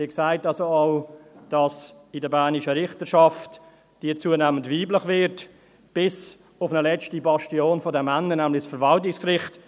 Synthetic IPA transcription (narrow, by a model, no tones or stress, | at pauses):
iːksaɪtɑlsoɑʊd̥ɑsɪdəbæːnɪʃəɾɪχtəʃɑft | d̥iət͡suənɛːməntviːbləχvɪɾt | b̥ɪs | ʊfnəlɛt͡stibɑʃtioːnfɔdɛmːænənæːmlɪsfəɾvɑltɪkskrɪχt